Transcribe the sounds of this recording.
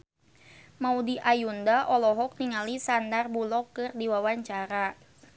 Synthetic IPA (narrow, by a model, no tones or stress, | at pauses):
maudiʔajundaʔɔlɔɦɔk̚niŋalisandarbulɔkːɨrdiwawaɲt͡ʃaɾa